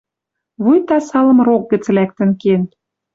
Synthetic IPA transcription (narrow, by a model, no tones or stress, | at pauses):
βujt̪ɑsɑlɤ̆mrok̚ɡə̆t͡slæk̚t̪ə̆nken